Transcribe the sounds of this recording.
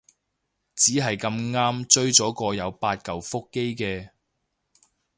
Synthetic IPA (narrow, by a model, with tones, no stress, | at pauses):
t͡siː˨˥ɦɐ˨jkɐ˧mŋaː˥mt͡ʃɵ˥ɥt͡sɔː˨˥kɔː˧jɐ˨˧wpaː˧t̚kɐ˨wfʊ˥kːe˥jkɛː˧